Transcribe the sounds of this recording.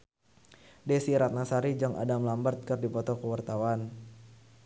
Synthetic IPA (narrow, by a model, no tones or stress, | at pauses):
desiɾat̪̚nasaɾid͡ʒaŋʔa̰damlambərt̪̚kərdipɔt̪ɔkəwart̪awan